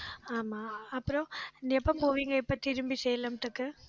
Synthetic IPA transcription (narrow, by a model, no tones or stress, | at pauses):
aːmaːɐpːɯɾõnd̪iɐpːɐpoːʋiːŋɡɐɪpːɐt̪ɪɾɯmbisɛjːɐlɐmʈ̪ːɯkːɯ